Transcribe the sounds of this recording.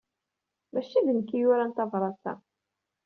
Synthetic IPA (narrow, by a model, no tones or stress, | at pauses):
mæʃiðənəkːijʊɾænt̪ɑvɾˤɑsæ̰